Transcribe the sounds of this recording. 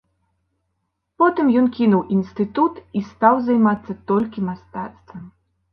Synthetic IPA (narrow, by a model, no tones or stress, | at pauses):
pɔt̪ɨmjɔnkʲinuwʔinst̪ɨt̪ut̪ist̪awzajmat̪sːɐt̪ɔlʲkʲimast̪at̪st̪vɐm